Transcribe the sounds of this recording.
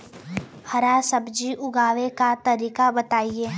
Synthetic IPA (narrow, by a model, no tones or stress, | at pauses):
hɐɾasɐbd͡ʒiʔʊɡaːʋekat̪ɐɾiːkabɐt̪aːieː